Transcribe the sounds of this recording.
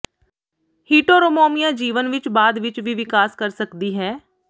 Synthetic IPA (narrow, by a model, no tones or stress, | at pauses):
hiːʈoːɾomoːmijãːd͡ʒiːʋənʋɪt͡ʃbaːd̪ʋɪt͡ʃʋiːʋɪkaːskəɾsəkd̪iːɦɛː